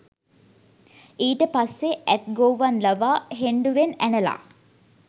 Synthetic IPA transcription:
iːʈəpasːeʔæt̪̚ɡoːʋanlɐʋaːɦeɳɖuʋenænəla̰ː

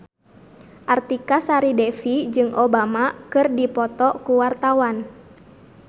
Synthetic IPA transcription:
ʔart̪ikasaɾidɛfid͡ʒɨŋʔobamakɨrdipɔt̪ɔkuwart̪awan

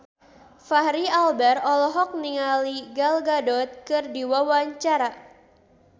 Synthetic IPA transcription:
fahɾialbɛrɔlɔɦɔk̚niŋaliɡalɡadɔt̪̚kɨrdiwawaɲt͡ʃaɾa

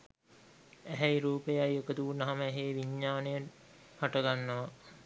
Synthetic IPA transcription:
æɦɛiɾuːpejajokəd̪uunɐɦaməɛɦeːʋiɲːaːnejəʈ | haʈəɡanːɐʋa

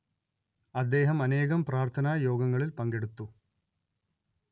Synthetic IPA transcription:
ɐd̪ːe̞ːɦɐmɐne̞ːɣɐmpraːrt̪ʰɐnaːjo̞ːɡɐŋːɐɭilpɐŋɡeɽut̪ːu

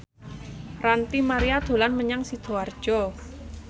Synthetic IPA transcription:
rant̪imaɾiad̪̥o̤lanməɲaŋsid̪̥o̤ard̥ʒ̥ɔ

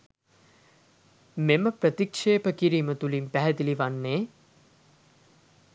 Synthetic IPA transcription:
meməpɾət̪ikʂeːpəkiɾiːmət̪ulimpæɦɛd̪iliʋanːeː

